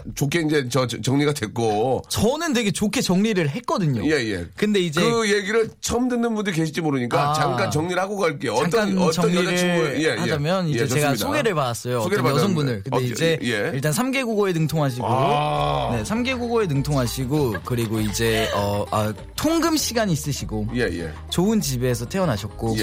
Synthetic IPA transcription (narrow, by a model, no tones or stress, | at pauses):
t͡ɕokʰeind͡ʑe̞t͡ɕʌt͡ɕʌŋɲiɡadwek͈ot͡ɕʌnɯntwe̞ɡe̞t͡ɕokʰe̞t͡ɕʌŋɲiɾɯɭɦe̞k͈ʌdɯɲo̰jejḛkɯnde̞id͡ʑkeɯjeɡiɾɯɭt͡ɕʰʌmdɯnːɯnbundɯɾike̞ɕʰi̥d͡ʑimoɾɯɲik͈aaŋk͈ant͡ɕʌŋɲiɾɭhaɡoɡaɭk͈ejoʌaŋ͈ant͡ɕʌŋɲiɾɯehad͡ʑamjʌnid͡ʑe̞e̞ɡasʰoɡe̞ɾɯɭpadas͈ʌjoɡejʌsʰʌŋbunndɯɭkɯneid͡ʑe̞jeiɭt̬͈ansʰamɡe̞ɡuɡoenɯŋtʰoŋɦaɕ̬ʰiɡoɾone̞sʰamɡe̞ɡuɡoe̞nɯŋtʰoŋɦaɕʰiɡokɯɾiɡoid͡ʑe̞ʌa | tʰoŋɡɯmɕʰiɡaɲiːs͈ɯɕʰiɡojejḛ | t͡ɕoɯnt͡ɕibe̞s̬ʰʌtʰe̞ʌnɦaɕʰʌt̚k͈o